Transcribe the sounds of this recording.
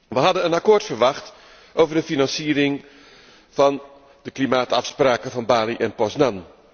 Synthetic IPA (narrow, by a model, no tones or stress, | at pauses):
ʋəɦɑdənənakoːɹtfəɹʋɑχt | ʔowvəɹdəfinɑnsiːɾɪŋ | v̥ɑn | dəklimaːtɑfspraːkəvɑnbaːliʔɛnpɔsnɑn